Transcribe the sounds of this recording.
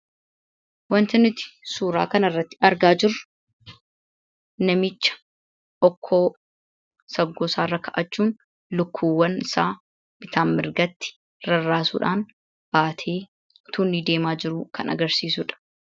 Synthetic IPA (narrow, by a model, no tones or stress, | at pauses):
wɐnt̪ɪnɪt̪ɪ̥suːɾa̰ːkɐnɐrːɐt̪ːɪ̥ɐɾɡaːd͡ʒɪrːʊ | nɐmɪt͡ʃːɐ̥ | ʔɔkʰːoː | sɐɡːosaːrːɐkʰɐʔɐt͡ʃːuːn | lʊkʰːuːwːɐnɪsaː | b̥ɪt̪ʰaːmmɪɾɡɐt̪ːɪ̥ | ɾɐrːaːsṵːᶑaːn | b̥aːt̪ʰeː | t̪unːid̪e̞ːmaːd͡ʒɪɾuːkʰɐnɐ̰ɡɐɾsiːsʊᶑɐ̥